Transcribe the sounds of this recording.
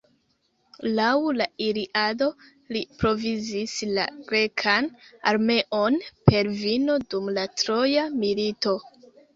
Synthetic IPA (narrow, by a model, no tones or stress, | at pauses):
lawlaiɾiʔado̞ | lipɾo̞vizisla̰ɡɾe̞kʰanaɾme̞ʔo̞npʰe̞ɾvino̞dumlatɾo̞jamilito̞